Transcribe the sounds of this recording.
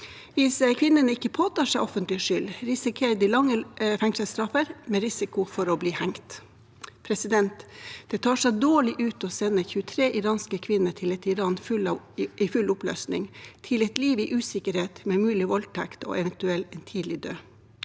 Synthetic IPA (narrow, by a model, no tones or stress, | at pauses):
ʋɪsəkʰʋɪnːənəɪkːəpʰoːt̪ʰɑːʂæɪʔɔfənt̪lɪʂʏlɾɪsɪkʰeːɾd̪ilɑŋːəfɛŋsəlst̪ɾɑfəɾmɛɾɪsɪkʊfɔɾɔbliːhæŋt̪ | pʰɾɛsɪd̪ɛnt̪d̪̥ɛt̪ʰɑːʂɛɪd̪oːɭɪʔʉːt̪ɔsɛnːəçʉːət̪ʰɾeːʔɪɾɑːnskəkʰʋɪnːəʈʰɪlɛt̪ɪɾɑːnfʉl | ifʉlʊplø̰ːsnɪ̰ŋt̪ʰɪlɛt̪liːʋiːʔʉːsɪkəɾheːt̪mɛmʉːlɪʋɔlt̪ʰɛkt̪o̰ːʔɛʋɛnt̪ʉɛlːɛnt̪ʰiːd̪lɪd̪øː